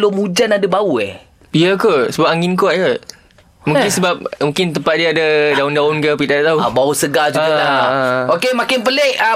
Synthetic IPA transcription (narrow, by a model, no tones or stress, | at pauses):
lomũd͡ʒanadəbauɛ̰h | iəkəsəbap̚aŋinkoʔjə | mũkkɪnsəbap̚mũŋkɪnt̪̬əmpat̪̚diəadədaʊndaʊnkəpidadat̪aubausəɡad͡ʒuɡalaokemãkɪnpəleʔə